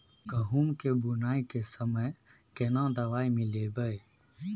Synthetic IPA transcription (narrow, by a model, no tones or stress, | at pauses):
ɡəɦuːmkebʊnaːikesəməj | kenãd̪ɐʋaːimɪ̃lebəe